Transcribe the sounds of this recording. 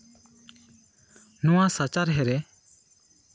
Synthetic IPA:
nuwasat͡ʃaɾɦɛɾɛ

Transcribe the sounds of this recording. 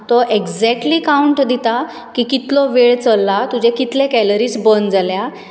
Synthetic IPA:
t̪ɔʔeɡd͡zɛk̚ʈliːkauɳʈd̪it̪a | kiːkit̪lɔʋeɭt͡səlːat̪ud͡ʑɛkit̪lẽkɛləɾiːt͡sbənd͡zalja

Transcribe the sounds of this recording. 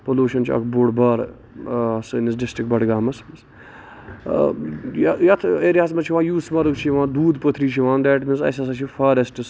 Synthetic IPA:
poluːʃɐnt͡ʃʰiɐ̰kʰboːɖbɐɾ | ɐsɨnisɖɪsʈɾik̚bɐɽɡaːmɐsmiz | jɐjɐt̪ʰeɾiaːsmɐt͡ʃʰiʋãːjuːsmɐɾukt͡ʃʰiʋãːd̪uːd̪pot̪ʰɾiːt͡ʃʰiʋãːnd̪ɛːʈminzɐ̰sɐsɐt͡ʃʰifaːɾesʈɨs

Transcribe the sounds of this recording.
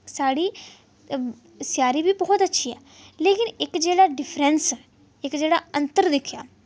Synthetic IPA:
saːɽiː | sjaːɾiːbʱiːbɔːt̪ətːʃʰiːɛː | leːkɪnɪkd͡ʒeːɽaːɖɪpʰɾɛns | ɪkd͡ʒeːɽa̰ːə̃nt̪əɾd̪ɪkʰja̰ː

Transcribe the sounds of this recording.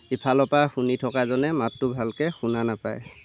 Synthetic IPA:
ipʰalɔpaxunitʰɔkazɔnɛmatːʊbʱalkɛxunanapa̰j

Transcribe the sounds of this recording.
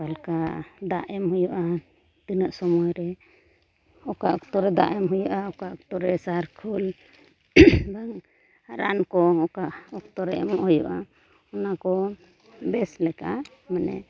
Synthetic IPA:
alkad̪aʔɛmɦujɔʔa | t̪inəʔsɔmɔjɾɛ | ɔkaʔɔkt̪ɔɾɛd̪a̰ʔɛmɦujɔʔaɔkaʔɔk̚t̪ɔɾɛsaɾkʰul | baŋ | ɾa̰nkɔɔkaʔɔkt̪ɔɾɛɛ̰mɔʔhujɔ̰ʔa | ɔnakɔ | bɛslɛka | mɛnɛ̰

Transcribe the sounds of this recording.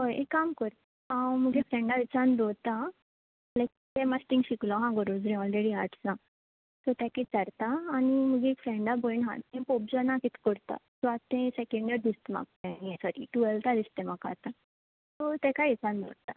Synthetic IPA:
ɦojekːamkəɾt̪ | ãməɡefɾɛ̃ɳɖaʋit͡sand̪ot̪a | lajk̚t̪ẽmasʈĩŋɡɕiklɔɦãɡəɾod͡zɾĩɔlɾeɽiaɾʈsnã | t̪ɔt̪akit͡səɾt̪aːniməɡeekfɾɛ̃ɳɖabonɦã̰t̪ɛ̃pop̚d͡zanãkit̪ʰkəɾt̪a̰sɔat̪ẽsekẽɳɖəɾd̪ist̪ma̰ɡ̚t̪ẽniesɔɾḭʈuelt̪ʰad̪ist̪ẽmaka̰ɾt̪a | t̪ɔt̪ɛkajit͡sand̪o̰ɾt̪a

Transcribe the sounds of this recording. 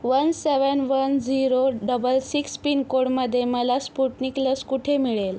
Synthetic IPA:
ʋənseʋənʋənd͡ziɾoɖəbəlsikspinkoɽməd̪ʱːjeməlaspuʈnikləskuʈʰemiɭel

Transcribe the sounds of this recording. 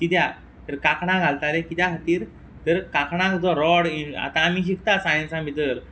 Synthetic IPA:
kit̪ja | t̪əɾkakʰɳ̃ãɡʱalt̪alekit̪jakʰət̪iːɾ | t̪əɾkakʰɳ̃ãkt̪ɔɾɔɽia̰t̪ãːmiɕ̬ikʰt̪asajə̃nsãbʱit̪əɾ

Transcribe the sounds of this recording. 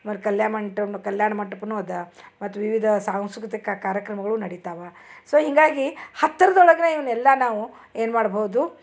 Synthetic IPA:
mɐt̪ːkɐljaːmɐɳʈɐnkɐljaːɳɐmɐɳʈɐpːɐnuːɐd̪ɐmɐt̪ːuʋiʋid̪ʱɐsaːwsukɐt̪ɐkːaːkaːɾjɐkɾɐmɐɡɐɭunɐɽit̪aːʋa | soːɦiŋɡaːɡihɐt̪ːɐɾɐd̪ɔɭɐɡɐneiʋɐnɛlːɐnaːʋu | e̞ːnmaːɽboːud̪u

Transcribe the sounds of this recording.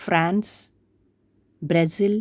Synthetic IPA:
fɾãns | bɾezil

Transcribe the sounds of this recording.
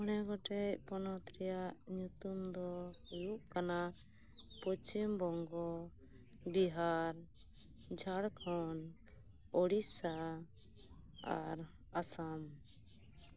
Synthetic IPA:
ɔnɛɡɔʈɛcpɔnɔt̪ɾɛjaʔɲut̪umd̪ɔujuʔkana | pɔt͡ʃimbɔŋɡɔ | biɦaɾ | d͡ʒʱaɽkʰɔn | ɔɽisa | a̰ɾ | asam

